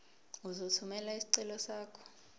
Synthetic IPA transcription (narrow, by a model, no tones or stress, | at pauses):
uzotʰumɛlaisi̥ǀɛlɔsaːkʰɔ̥